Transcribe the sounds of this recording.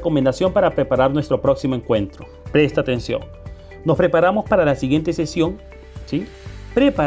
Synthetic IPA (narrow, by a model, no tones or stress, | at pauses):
ko̞mend̪asjo̞mpaɾapɾepaɾaɾnwe̞st̪ɾo̞pɾo̞ksimoeŋkwe̞nt̪ɾo | pɾest̪aːt̪e̞nsjo̰ŋ | no̞spɾe̞paɾamo̞spaɾalasiɣje̞nt̪e̞sesjo̞ŋ | si | pɾepa